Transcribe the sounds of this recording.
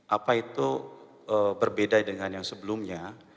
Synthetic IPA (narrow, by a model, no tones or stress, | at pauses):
ʔapait̪u | əbərbedadəŋanjaŋsəbəlumɲa